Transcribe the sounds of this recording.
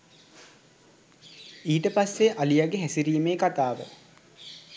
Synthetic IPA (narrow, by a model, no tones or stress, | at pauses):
iːʈəpasːeʔalijaɡeɦæsiɾiːmeːkat̪aːʋə̰